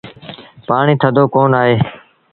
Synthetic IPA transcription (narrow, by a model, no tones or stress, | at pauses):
paːɳiːt̪ʰəd̪oːkoːnaːɦeː